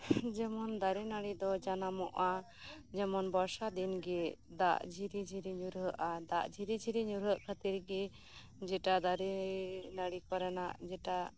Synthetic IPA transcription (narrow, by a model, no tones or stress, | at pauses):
d͡ʒɛmɔnd̪aɾɛnaɽid̪ɔd͡ʒanamɔʔa | d͡ʒɛmɔnbɔɾsad̪inɡɛd̪a̰ʔd͡ʒʱiɾid͡ʒʱiɾiɲuɾɦəʔad̪aʔd͡ʒʱiɾid͡ʒʱiɾiɲuɾɦəʔkʰət̪iɾɡɛ | d͡ʒɛʈad̪aɾinaɽikɔɾɛnaʔd͡ʒɛʈa